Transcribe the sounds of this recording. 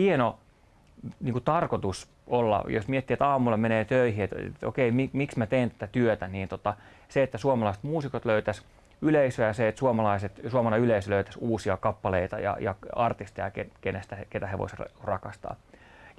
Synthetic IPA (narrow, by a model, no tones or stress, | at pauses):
hieno | niːŋkut̪ɑrkot̪us | ʔolːɑ̰jo̰smiet̪ːiet̪ɑːmulːɑmeneːt̪øihiet̪t̪o̰keimimiksmæt̪eːnt̪æ̥t̪æt̪yøt̪æniːnt̪ot̪ɑ | seet̪ːæsuomɑlɑise̥t̪muːsikot̪løyt̪æs | yleisøjɑseet̪suomɑlɑiset̪suomɑlɑyleisøløyt̪æsuːsiɑkɑpːɑleit̪ɑ̰jɑ̰jɑ̰ɑrt̪ist̪ejɑ̰kekenest̪æket̪æheʋo̰serrɑkɑst̪ɑ̰ːj